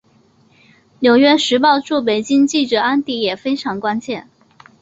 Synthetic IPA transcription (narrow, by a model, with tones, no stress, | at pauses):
njo˨˩ʊɥɛ˥ʂɻ̩˧˥p̬ɑ˥˧ʊʈ͡ʂu˥˩p̬e˨˩ɪt͡ɕi˥ŋt͡ɕi˥˩ʈ͡ʂɤ˨˩a˥nt̪i˥˩jɛ˨˩fe˥ɪʈ͡ʂʰɑ˧˥ŋkwa˥nt͡ɕjɛ˥˩n